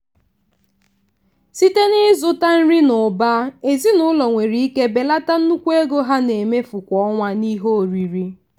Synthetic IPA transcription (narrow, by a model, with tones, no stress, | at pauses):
si˦te˦nɪ˦zʊ˦ta˦n̩˦ɾi˦nʊ˨ba˦e˨zi˦nʊ˨˦lɔ˨ŋʷe˨ɾi˦i˦ke˦be˨la˦ta˦n̩˦nu˦kʷe˦ɡo˦ɦa˦ne˨me˦fʊ˨kʷɔ˦ŋʷa˦ni˦ɦo˦o˨ɾi˨ɾi˦